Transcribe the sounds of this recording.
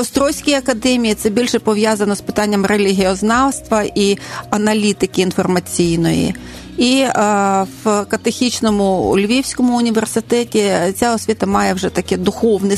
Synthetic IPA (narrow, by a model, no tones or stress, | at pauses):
ɔst̪ɾɔwsʲkʲijɐkɐd̪ɛmʲijit̪sɛbʲilʲʃɛpɔʋjazɐnɔspɪt̪ɑnʲːɐmrelʲɪɦʲiɔznɑwst̪ʋɐʔiɐnɐlʲit̪ɪkɪːn̪fɔrmɐt͡sʲijnɔ̰jḭ | i | wkɐt̪exʲit͡ʃnɔmʊʊ̰lʲʋʲiwsʲkɔmʊʊnʲiʋe̞rsɪt̪ɛtʲit͡sʲaɔsʲʋʲit̪ɐmɑjɛwʒɛt̪ɐkɛd̪ʊxɔwnɪ